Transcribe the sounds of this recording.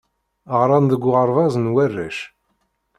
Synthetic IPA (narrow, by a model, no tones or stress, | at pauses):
ʁɾˤɑnðəɡʷːʊʁɑɾˤvɑzˤənwærːæʃ